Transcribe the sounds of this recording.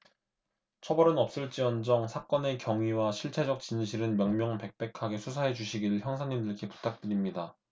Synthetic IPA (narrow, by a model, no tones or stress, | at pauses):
t͡ɕʰʌbʌɾɯnʌp̚s͈ɯɭt͡ɕ͈iʌnd͡ʑʌŋsʰak͈ʌne̞kjʌŋɥiwaɕʰiɭt͡ɕʰe̞d͡ʑʌk̚t͡ɕ͈inɕʰiɾɯnmjʌŋmjʌŋpe̞k̚p͈e̞kʰaɡe̞sʰusʰaɦe̞t͡ɕuɕʰiɡiɭçjʌŋsʰaɲimdɯɭkʰe̞pu̥tʰak̚t͈ɯɾimɲida